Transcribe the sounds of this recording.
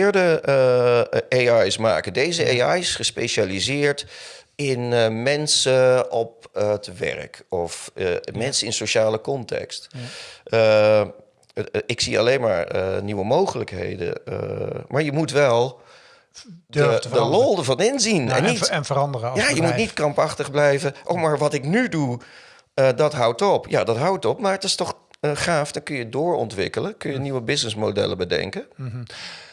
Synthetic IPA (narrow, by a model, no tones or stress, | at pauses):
ɹdə | eɑjsma̰ːkədejzəeɑjɪsχəspejʃalizɪːɹtɪnmɛnsəɔp̚ətʋɛ̰rkɔfmɛnsəɪnsoʃaːləkɔntɛ̰kst | ɪksia̰lejnma̰ːɹəniʋəmowχələkɦḛjdə̰əmʔaːɹjəmutʋɛlˠ | dədəlɔlˠdəvɑnɪnzinɛ̰nnitnvəɾɑndərəjajəmutnitkrɑmpɑχtəχblɛjvəʔo̰wmaːɹʋɑtɪknydu | ədɑtɦʌwtɔpja̰dɑtɦʌwtɔpmaːɹətɪstɔχ | χaːfdɔnkɵnjədʊːɹɔ̰ntʋɪ̰kələkɵnjəniʋəbɪsnəsmodɛ̰ləbədɛ̰ŋkə